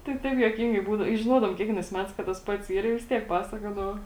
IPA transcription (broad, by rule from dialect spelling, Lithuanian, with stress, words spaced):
tɐɪ ˈtɐɪp juɔˈkʲɪŋɡɐɪ ˈbuːdɐʊ ɪ ʒʲɪˈnuɔdɐʋoːm ˈkʲiɛkʋʲiɛnɐɪs ˈmʲæːtɐɪs kɐt tɐs ˈpɐts ˈiːr ɪ ʋʲɪs ˈtʲiɛk ˈpɑːsɐkoːdɐʋoː